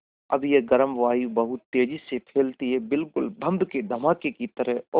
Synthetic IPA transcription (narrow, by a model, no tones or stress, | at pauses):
ɐ̰bjeɡəɾəmʋaːjubɐɦʊt̪ːeːd͡ʒisepʰeːlt̪iɦɛbɪlkʊlbʱə̃nd̪ked̪ʱɐmaːkekit̪əɾəɦɔ